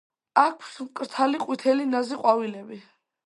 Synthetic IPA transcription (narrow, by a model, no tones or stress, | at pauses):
akʰsmkʼɾt̪ʰaliqʼwit̪ʰɛlinaziqʼwavilɛbi